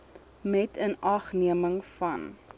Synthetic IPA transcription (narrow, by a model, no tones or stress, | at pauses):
mɛtʰənɐχniəməŋfɐn